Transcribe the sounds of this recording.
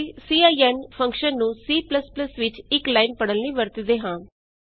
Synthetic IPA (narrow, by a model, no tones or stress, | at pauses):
siːaːiːɛːnpʰə̃ŋkʃənːũːsiːpləspləsʋɪt͡ʃɪklaːinpəɽəlniːʋəɾt̪əd̪eːɦãː